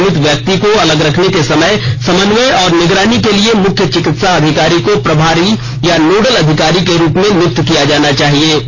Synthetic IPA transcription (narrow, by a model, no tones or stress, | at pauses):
mɪt̪ʋjək̚t̪ikoɐləɡɾɐkʰnekesɐməjsɐmənʋəɔːɾnɪɡɾaːnikeliemʊkʰjət͡ʃɪkɪt̪saɐd̪ʱɪkaːɾikopɾɐbʱaːɾi | januːɖəlɐd̪ʱɪkaːɾikeɾuːpmẽmʊk̚t̪kijad͡ʒaːnat͡ʃaːɦieː